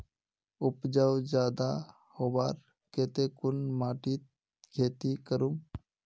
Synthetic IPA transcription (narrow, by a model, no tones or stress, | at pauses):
ʊpd͡ʒawd͡ʒaːd̪a | hoːbaɾ | keːt̪ekʊnmaːʈit̪̚ | kʰeːt̪ikəɾum